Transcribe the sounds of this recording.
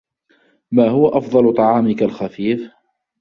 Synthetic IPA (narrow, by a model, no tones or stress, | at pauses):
maːhʊwaʔɑfd̪ˤɑlʊt̪ˤɑʕɑːmɪkalxafiːf